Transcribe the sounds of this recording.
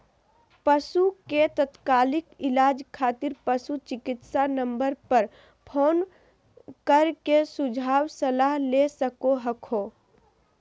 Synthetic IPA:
pəsuket̪ət̪kaːlɪkɪlaːd͡ʒkʰaːt̪iɾpəsut͡ʃɪkɪt̪sanəmbəɾpəɾ | pʰoːn | kəɾkesud͡ʒʱaːwsəlaɦlesəkoɦəkʰo

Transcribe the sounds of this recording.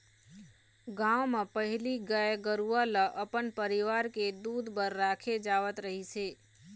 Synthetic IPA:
ɡãwmãpəɦɪliɡəeɡəɾualəʔəpənpəɾiʋaːɾked̪uːd̪bəɾːaːkʰed͡ʒaːʋət̪ɾəɦiseː

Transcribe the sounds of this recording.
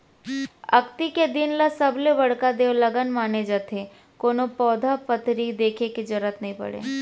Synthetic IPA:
ɐ̰kt̪iked̪ɪnlasɐbleʋɐɽkad̪eːwləɡənmaːned͡ʒat̪ʰe | koːnopɔːd̪ʱapət̪ɾid̪eːkʰeked͡ʒəɾət̪nəɦĩpɐ̰ɽḛː

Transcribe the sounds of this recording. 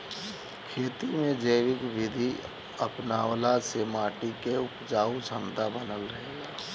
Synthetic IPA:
kʰeːt̪imẽd͡ʒəɪʋɪkʋɪd̪ʱi | əpnaːwlaseːmaːʈikeʊpd͡ʒaːut͡ʃʰə̃nd̪abənəlɾəɦeːɡaː

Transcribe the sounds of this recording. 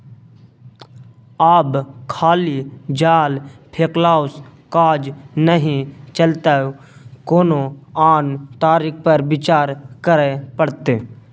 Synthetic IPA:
aːbkʰaːlid͡ʒaːlpʰeːklaːskaːd͡ʒnəɦĩt͡ʃəlt̪ao | koːnoaːnt̪aːɾik̚pəɾbɪt͡ʃaːɾkəɾepəɽt̪eː

